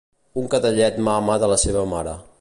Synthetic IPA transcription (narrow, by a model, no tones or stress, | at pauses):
uŋkət̪əʎɛt̪mamaðələseβəmaɾə̰